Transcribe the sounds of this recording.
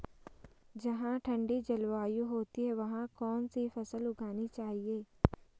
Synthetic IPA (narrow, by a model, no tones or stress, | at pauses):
d͡ʒɐɦãʈʰɐ̃ɳɖid͡ʒɐlʋaːjuɦoːt̪iɦɛʋɐɦãkɔːnsifɐsəlʊɡʱaːnit͡ʃaːɦieː